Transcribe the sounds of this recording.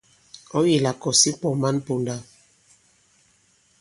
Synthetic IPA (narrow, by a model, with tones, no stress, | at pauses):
ɔ˦ji˨la˨kɔ˨si˦k͡pɔ˨ma˦npo˨nda˦